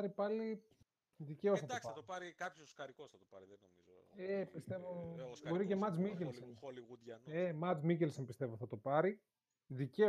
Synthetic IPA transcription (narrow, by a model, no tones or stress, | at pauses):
ɾipɐli | ðice̞osθɐtd̪spɐɐt̪opɐɾikɐpçoskɐɾikosɐt̪opɐ̰ɾiðenomizoepist̪e̞vobo̞ɾicemɐt͡smicelsonliɣud̪ʝɐnemɐt͡smicelsonpist̪e̞vo̞θɐt̪o̞pɐɾi | ðice